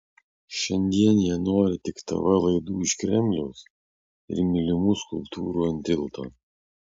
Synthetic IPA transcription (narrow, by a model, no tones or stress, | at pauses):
ʃʲɛnʲd̪ʲiɛnjiɛnoːɾʲɪt̪ʲɪkt̪ɐ̰ʋɐlˠɐɪd̪uːɪʃkɾʲɛmʲlʲɛʊs | ɪ̰ɾmʲɪlʲɪmuskʊlˠpt̪ʰuːɾuːɐnʲt̪ʲɪlˠt̪o̰ː